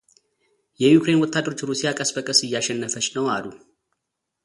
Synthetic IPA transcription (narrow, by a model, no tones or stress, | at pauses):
jɛjukʰɾe̞nwɔt̪ʰːad̪ːəɾo̞t͡ʃːɾusijakʼəsbəkʼəsɨjːaʃɛnːəfət͡ʃʼːnəwalu